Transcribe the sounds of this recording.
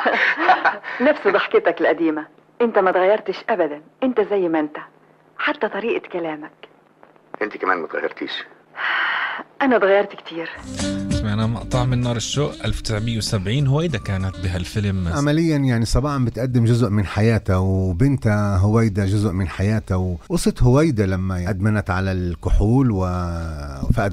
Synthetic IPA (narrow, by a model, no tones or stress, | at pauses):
næfsid̪ˤɑħkɪt̪æklʔæd̪iːmæ | ʔɪnt̪æmæt̪ɣæjːɑɾˤt̪ɪʃʔæbæd̪ænʔɪnt̪æzæjːmʔɪnt̪æ | ħat̪ːæt̪ˤɑɾiːʔɪkælæːmæk | ʔɪnt̪ikæmæ̰ːnmæt̪ɣæ̰jːɑ̰ɾˤt̪ḭːʃ | ʔænæt̪ɣæjːɑɾˤt̪kt̪ʰiːɾɪsmaʕnamɑ̰ʔt̪ˤɑːʕmɪnːɑːɾˤɪʃːoːʔʔalft̪ɪ̥sʕmɪjːwsabʕiːnhʊwæjd̪akaːnat̪̚bɪɦalfɪlmʕamalɪjːanjaʕnisˤɑbɑːħɑmbɪt̪ʔad̪ːɪmʒʊzʔmɪnħajaːt̪awbɪnt̪aɦʊwajd̪aʒʊzʔmɪnħajaːt̪awwɑsˤɨt̪hʊwajd̪alamːajaʔd̪manat̪ʕalalkʊħuːlwɪ | faʔ̪